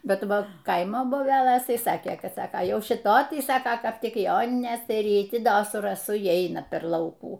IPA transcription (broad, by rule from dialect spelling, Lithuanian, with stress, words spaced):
ˈbʲɛt ˈʋɐ ˈkɐɪmoː boːˈbʲæːlˠɘs ˈtɐɪˈsɑːkʲeː ˈkɐt ˈsɑːkoː ˈjɛʊ ʃʲɪˈtoːj ˈtɐɪ ˈsɑːkɐ ˈkɐp ˈtʲɪk ˈjoːnʲɪnʲeːs ɪr ˈjɪ ˈtʲɪ ˈdoː sʊ rɐˈsʊ iː ˈɛɪnɐ pʲɛr ˈlˠɐʊkuː